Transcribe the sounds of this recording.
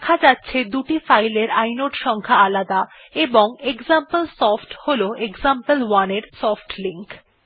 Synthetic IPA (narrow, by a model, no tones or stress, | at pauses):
kʰad͡ʑatːɕʰed̪uʈifajleɾajnoʈʃɔŋkʰaalad̪a | eboŋeɡzampəlsɔfʈholoeɡzampəlwaneɾsɔfʈliŋk